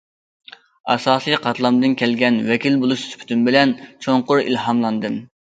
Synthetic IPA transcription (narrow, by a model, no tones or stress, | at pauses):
ɑ̰sɑːsɨjqʰɑt̪ʰlˠɑmd̪ɨnkʲʰɛlɡʲɛnwɛkʲilbolˠuʃspʰy̥t̪ʰymbɪlɛnt͡ʃʰoɴqʊɾḭlhɑmlˠɑnd̪ɨm